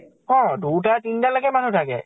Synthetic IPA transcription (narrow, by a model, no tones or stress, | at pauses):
hɔ̃dut̬atintalakɛmanutʰakɛ̰